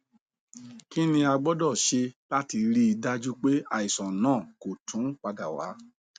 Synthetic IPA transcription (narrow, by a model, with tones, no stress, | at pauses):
ki˦nĩ˧a˧ɡ͡bɔ˦dɔ˦˨ʃe˧la˦ti˧ɾi˦i˧da˦d͡ʒu˦k͡pe˦a˨˧i˨sɔ̃˨nãː˦˨ko˨tʰũ˨˦k͡pa˧da˨wa̰˨˦